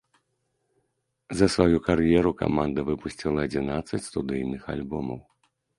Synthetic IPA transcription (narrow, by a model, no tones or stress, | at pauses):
zɐsvajukaɾjɛɾuka̰mand̪ɐvɨpusʲt͡sʲilˠɐːd͡zʲinat̪sːɐt͡sʲst̪ud̪ɨjnɨxa̰lʲbɔmɐw